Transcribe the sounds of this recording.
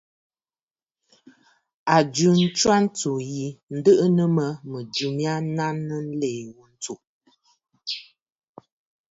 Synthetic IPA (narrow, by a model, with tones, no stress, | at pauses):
a˨d͡ʒʉ˨n̩˦t͡ʃwa˦n̩˦tu˨ji˨n̩˦də˦ʔə˦nə˦mə˦mə˨d͡ʒʉ˨mja˦na˦nːə˦n̩˦le˨wu˦n̩˦tu˨